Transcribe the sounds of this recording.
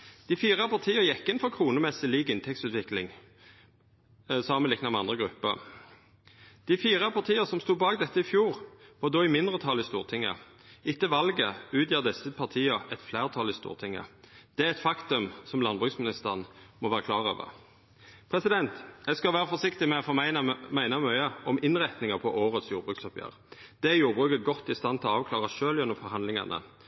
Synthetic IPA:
d̪̥ɪfiːʁɑpɑʁt̪ʰiːəɾjɛkːɪnfɔʁkʰʁuːnəmɛsɪliːɡɪnt̪ʰɛk̚tsʉːt̪ʋɪklɪŋ | sɑːmənlɪknɑmɛɑnd̪ʁəɡʁʉpːə̰ | d̪̥ɪfiːʁɑpʰɑʁt̪ʰiːəsɔmst̪uːbɑːɡd̪ɛt̪ːəɪfjuːʁʋɑːd̪oːɪmɪnd̪ʁət̪ʰɑlɪst̪uːʁt̪ʰɪŋːə̰ | ɪt̪ːəʋɑlɡəʉːt̪jiːʁd̪ɛsəpʰɑʁt̪ʰiːəɛt̪flæːʁt̪ʰɑlɪst̪ṵːʁt̪ʰɪŋːə̰d̪̥ɛæɛt̪fɑkt̪ʉmsɔmlɑnbʁʉːksmɪnɪst̪əʁnmɔʋæːʁəkʰlɑːʁø̰ːʋə̰ʁ | pʰʁɛsɪd̪ɛnt̪jæɪɡskɑlʋæːʁəfɔsɪkt̪ɪmɛɔfɔmæɪnɑmœʏəɔmɪnʁæt̪nɪŋɑpʰɔʔoːʁət̪sjuːʁbʁʉːksɔpjø̰ːʁ | d̪̥ɛæjuːʁbʁʉːkət̪ɡɔt̪ːɪst̪ɑnt̪ʰɪlɔɑːʋkʰlɑːʁɑʃøːljɛnɔmfɔɾhɑnlɪŋɑ̰nʔə̰

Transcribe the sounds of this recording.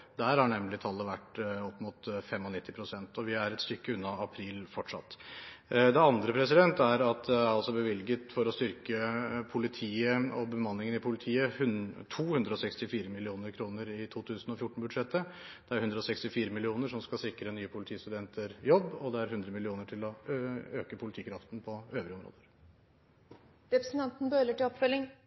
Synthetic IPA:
d̪æɾhɑɳɛmlɪt̪ʰɑlːəʋæʈːɔpːmʊt̪fɛmːɔnɪt̪ːɪpʰɾʊsɛnt̪ɔʋɪæɾɛt̪st̪ʏkːəʉnːɑɑpʰɾiːlfɔʈʂɑ̰t̪ː | d̪ɛɑnd̪ɾəpʰɾɛsɪd̪ɛnt̪æɾɑt̪ɛɑlsɔbəʋɪlɡət̪fɔɾɔst̪ʏɾkəpʰʊlɪt̪ʰiːəɔbəmɑnːlɪŋənɪpʰʊlɪt̪ʰiːəhʉt̪ʰuːhʉnd̪ɾəɔsɛkst̪ɪfiːɾəmɪlɪuːnəɾkʰɾuːnəɾɪt̪ʰuːt̪ʰʉːsnɔfjʊʈːɳ̩bʉd̪ʂɛt̪ːəd̪̥ɛæɾhʉnd̪ɾəɔsɛkst̪ɪfiːɾəmɪlɪuːnəʂɔmskɑsɪkɾənyːəpʰʊlɪt̪ʰiːst̪ʉd̪ɛnt̪ʰəɾjɔbːɔd̪ɛæɾɦʉnd̪ɾəmɪlɪuːnəʈʰɪlɔøːkəpʰʊlɪt̪iːkʰɾɑft̪n̩pʰɔøːʋɾɪɔmɾo̰ːd̪əɾ | ɾɛpɾəsn̩t̪ɑnt̪n̩bøːləʈɪlɔpfœlːɪŋ

